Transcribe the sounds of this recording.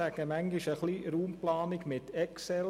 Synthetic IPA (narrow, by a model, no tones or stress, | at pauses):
æɡ̥əmæŋɡɪʃəχliɾuːmplɑːnɪɡmɪt̪ɛksɛl